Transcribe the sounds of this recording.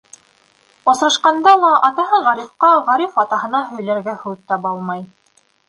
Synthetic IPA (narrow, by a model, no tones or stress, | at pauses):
ŏsɾɑʃqɑnd̪ɑlˠɑʔɑt̪ɑɦɤɴʁæɾifqɑʁæɾifɑt̪ɑɦɤ̆nɑɦɵ̆jlæɾɡæhʉt̪ːɑpɑlˠmɑj